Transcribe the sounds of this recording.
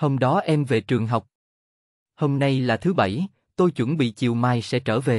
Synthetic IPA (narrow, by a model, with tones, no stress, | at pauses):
ho˧mɗɔ˨˦ʔɛ˧mve˨˩t͡ɕɨ˨˩əŋɦa˨˩wk͡p̚ | ho˧mna˧jlaː˨˩t̪ʰɨ˨˦ɓə˧˩j | t̪o˧jt͡ɕwə˧˩nɓḭ˧˨t͡ɕi˨˩əwmaː˨˩jsɛ̰˧˥t͡ɕəː˧˩ve˨˩